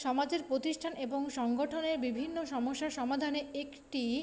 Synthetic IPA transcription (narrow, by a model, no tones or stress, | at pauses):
ʃɔmad͡ʑeɾpɾot̪iʃʈʰaneboŋʃɔŋɡoʈʰoneɾbibʱinːoʃɔmoʃːaʃɔmad̪ʱaneekʈi